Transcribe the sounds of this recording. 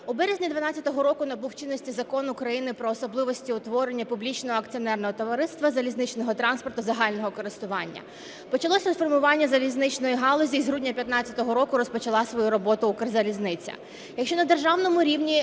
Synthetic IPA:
ʊbɛɾezʲnʲid̪ʋɐnɑt͡sʲːɐt̪ɔɦɔɾɔkʊnɐbuwt͡ʃɪnːɔsʲtʲizɐkɔnʊkɾɐjinɪpɾɔːsɔblˠɪʋɔsʲtʲiʊt̪ʋɔɾenʲːɐpʊblʲit͡ʃnɔɦɔɐkt͡sʲiɔnɛrnɔɦɔt̪ɔʋɐɾɪst̪ʋɐzɐlʲiznɪt͡ʃnɔɦɔt̪ɾɑnspɔrt̪ʊzɐɦɑlʲnɔɦɔkɔɾɪst̪ʊʋɑnʲːɐ̰ | pɔt͡ʃɐlˠɔsʲinfɔrmʊʋɑnʲːɐzɐlʲiznɪt͡ʃnɔjiɦɑlˠɔzʲizɦɾudʲnʲɐpʲjɐt̪nɑt͡sʲɐt̪ɔɦɔɾɔkʊɾɔspɔt͡ʃɐlˠɑsʋɔjuɾɔbɔt̪ʊukɪrzɐlʲiznɪt͡sʲɐ̰ | jɐkʃt͡ʃɔnɐd̪erʒɑwnɔmʊɾʲiwnʲi

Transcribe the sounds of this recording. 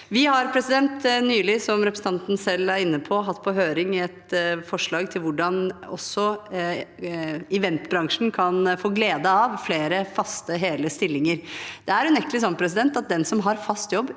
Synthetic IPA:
ʋɪhɑɾpʰɾɛsɪd̪ɛnt̪nyːlɪsɔmɾɛpɾsn̩t̪ʰɑnt̪n̩sɛlːæɾɪnːəpʰɔɦɑt̪ːpʰɔɦøːɾɪŋɪɛt̪fɔʂɭɑːɡt̪ʰɪlʋʊɖɑnɔ̰sːɔ | ɪʋɛnt̪bɾɑŋʂn̩kʰɑnfoːɡleːd̪əɑʋfleːɾəfɑst̪əɦeːləst̪ɪlːɪŋəɾd̪̥ɛæɾʉnɛkːlɪs̬ɔnːpʰɾɛs̬ɪd̪ɛnt̪ɑt̪̚d̪ɛnsɔmɦɑɾfɑst̪jɔbː

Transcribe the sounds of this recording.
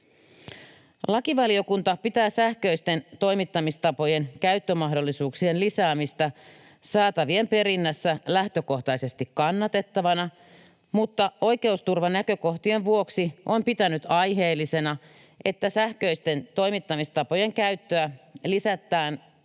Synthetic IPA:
lɑkiʋɑlio̞kunt̪ɑpit̪æːsæhkø̞ist̪e̞nt̪o̞jmit̪ːɑmist̪ɑpo̞je̞nkæyt̪ːømɑɦdo̞lːisuːksie̞nlisæːmist̪æ | sɑːt̪ɑʋie̞mpe̞ɾinːæsːælæht̪ø̞ko̞ht̪ɑjse̞st̪ikkːɑnːɑt̪e̞t̪ːɑʋɑnɑ | mut̪ːɑo̞jke̞ust̪urʋɑnækø̞ko̞ht̪ie̞ɱʋuoksiʔo̞mpit̪ænyt̪ɑjɦe̞ːlːise̞nɑ | ʔe̞t̪ːæsæhkøist̪e̞nt̪o̞jmit̪ːɑmist̪ɑpo̞je̞ŋkæyt̪ːøælisæt̪ːˑæːn

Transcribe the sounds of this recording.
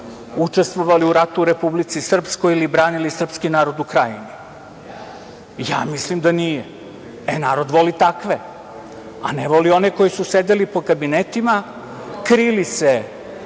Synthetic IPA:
ut͡ʂe̞st̪ʋoʋaliuɾat̪uɾepublit̪sisr̩pskojilibɾaːnilisr̩pskinaːɾo̞d̪ukɾajini | ja̰ːmislimd̪anije | enaːɾo̞d̪ʋo̞lit̪akʋe | a̰neʋolio̞neko̞jisused̪elipo̞kabinet̪ima | kɾilise

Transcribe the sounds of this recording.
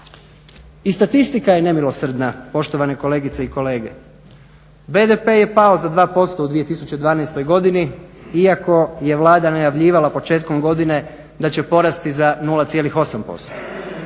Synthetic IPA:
ist̪at̪ist̪ikajene̞milˠo̞sr̩d̪napo̞ʃt̪o̞ʋane̞ko̞le̞ːɡit̪seiko̞le̞ːɡe̞̰ | be̞d̪epe̞je̞pao̞zad̪ʋaːpo̞st̪oud̪ʋije̞t̪isut͡ɕe̞d̪ʋaːnajst̪o̞jɡo̞d̪iniiako̞je̞ʋlˠaːd̪anajaʋʎiːʋalapo̞t͡ʃe̞ːt̪̚ko̞mɡo̞d̪ine̞ | d̪at͡ɕe̞po̞ɾast̪izanuːlˠat̪sjelixo̞sampo̞̰st̪o̥

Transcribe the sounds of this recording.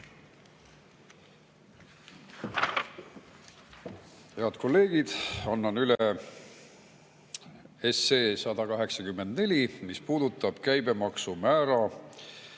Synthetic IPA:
he̞ɑd̪ko̞lːe̞ːɡ̥id̪̥ɑnːɑnyle | esːeːsɑd̪̥ɑkɑɦe̞ksɑkymːe̞nd̪̥ne̞lʲimispuːd̪ut̪ːˑɑb̥kæjbe̞mɑksumæːɾɑ

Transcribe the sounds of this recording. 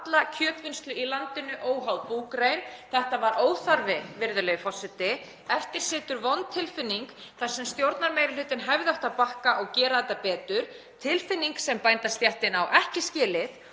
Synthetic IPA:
at̪lacʰœːt̪vɪnst̪lʏilant̪ɪnːʏʔoːwɦawðpuːkɾeːjnθɛht̪avaɾʔoːwθaɾvɪvɪɾðʏleːjfɔsɪt̪ɪ | ɛft̪ɪɾ̥sɪːt̪ʏɾvɔnt̪ʰːɪlfɪnːiŋkθaɾ̥sɛmst̪jowɾt̪naɾmeːjɾɪlʏːt̪ɪnɦavðɪaht̪apahkaʔɔɣcɛːɾaðɛt̪ːapɛːt̪ʏɾ̥ | t̪ʰɪlfɪnːiŋksɛmpajnt̪ast̪jaht̪ɪnawʔɛhcɪscɪːlɪθ

